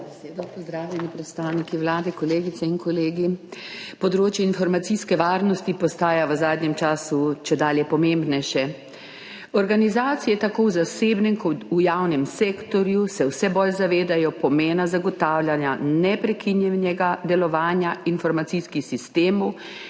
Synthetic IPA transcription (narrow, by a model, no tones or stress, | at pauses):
bɛseːd̪ɔpɔzd̪ɾaːwlʲɛnipɾɛt̪st̪aːwnikiwlaːd̪ɛkɔleːɡit̪sɛinkɔleːɡipɔd̪ɾoːt͡ʃjɛinfɔɾmat̪siskɛʋaːɾnɔst̪ipɔst̪aːjaʋəzaːd̪nɲɛmt͡ʃaːsut͡ʃɛd̪aːljɛpɔmeːmbnɛjʃɛ | ɔɾɡanizaːt̪sijɛt̪akoːwzaseːbnɛmkʰɔujawnɛmseːkt̪ɔɾjusɛwsɛbolzaʋeːd̪ajɔpɔmeːnazaɡɔt̪aːwlʲjanjanɛpɾɛkʰinjɛnɛɡad̪ɛlɔʋaːnjainfɔɾmat̪siskixsist̪eːmɔw